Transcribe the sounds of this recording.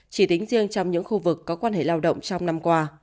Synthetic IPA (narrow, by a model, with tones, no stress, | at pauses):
t͡ɕi˧˩t̪ï˨˦ŋ̟zi˧əŋt͡ɕɔ˧wŋ͡mɲɨ̰˧˥ŋxu˧vɨ˨˩kːɔ˨˦kwaː˧nɦḛ˧˨laː˧wɗə̰˧˨wŋ͡mt͡ɕɔ˧wŋ͡mna˧mkwaː˧